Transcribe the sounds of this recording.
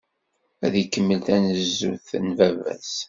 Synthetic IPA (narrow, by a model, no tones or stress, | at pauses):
æðikːəmːəlt̪ænəzːuθənvævæ̰s